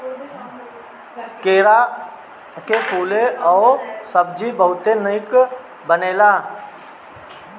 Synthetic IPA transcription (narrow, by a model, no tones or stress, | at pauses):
keːɾa | kepuːleʔɔːsəb̚d͡ʒibəɦʊt̪enəɪk | bəneːlaː